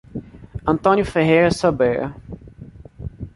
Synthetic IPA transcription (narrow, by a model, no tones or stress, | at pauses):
ɐ̃nt̪õnjʊfeɦejɾɐsobɛɾɐ̰